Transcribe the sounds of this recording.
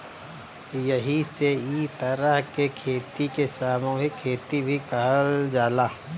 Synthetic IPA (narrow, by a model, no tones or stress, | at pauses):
jɐɦiseiːt̪ɐɾəɦkekʰeːt̪ikesaːmõɦikʰeːt̪ibʱikɐɦəld͡ʒaːlaː